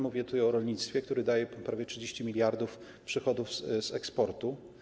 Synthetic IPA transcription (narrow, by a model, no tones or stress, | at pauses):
muvʲjɛt̪ut̪ajɔɾɔlɲit̪st̪fʲjɛk̚t̪uɾɘd̪ajɛpɾavʲjɛtʂɘd͡ʑeɕt͡ɕimʲilʲjaɾd̪uf | pʂɘxɔd̪ufz̥ɛkspɔɾt̪u